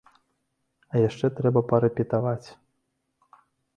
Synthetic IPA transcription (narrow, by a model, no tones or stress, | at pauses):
ɐjaʂt͡ʂɛt̪ɾɛbɐpɐɾɛpʲit̪avat͡sʲ